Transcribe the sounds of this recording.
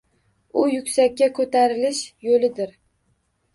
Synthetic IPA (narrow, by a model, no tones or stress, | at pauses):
ʊjʊkʲsakʲːakʰɵt̪ʰaɾɪlɪʃjolɪd̪ɪɾ